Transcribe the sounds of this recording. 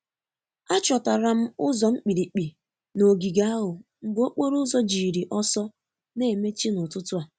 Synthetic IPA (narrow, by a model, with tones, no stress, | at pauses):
a˦t͡ʃɔ˨ta˨ɾa˨m̩˦ʊ˦zɔ˨ŋ͡m̩˦k͡pi˨ɾi˨k͡pi˨ | no˨ɡi˨ɡa˦a˦ɦʊ˨ŋ͡m̩˨ɡ͡bo˦k͡po˦ɾʊ˦zɔ˦d͡ʒi˨ɾi˨ʔɔ˦sɔ˦ | ne˦˨me˦t͡ʃi˦nʊ˨tʊ˦tʊ˦a˨